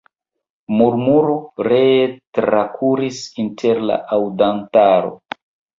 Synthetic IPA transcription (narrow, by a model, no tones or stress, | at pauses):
muɾmuɾoɾetɾakʰuɾisintʰe̞ɾla̰ʔawdantaɾo̞̰